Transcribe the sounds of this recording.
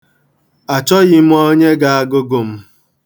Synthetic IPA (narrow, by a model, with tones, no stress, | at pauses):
a˨t͡ʃɔ˦ɣɪ˨m̩˦o˦ɲe˦ɡa˨a˦ɡʊ˦ɡo˨m̩˦